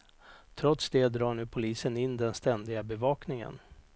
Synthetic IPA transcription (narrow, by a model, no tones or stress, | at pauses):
t̪ʰɾɔt̪sd̪ed̪ɾɑːɳʉ̟ːpʰʊliːsənɪnːd̪ɛnst̪ɛnd̪ɪɡabɛvɑːknɪŋə̰n